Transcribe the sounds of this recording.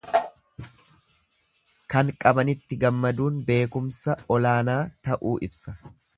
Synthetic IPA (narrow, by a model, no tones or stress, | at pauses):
kɐŋkʼɐbɐnɪt̪ːɪɡɐmːɐd̪uːnbe̞ːkʊmsɐɔlaːnaːt̪ɐʔuːʔɪbsɐ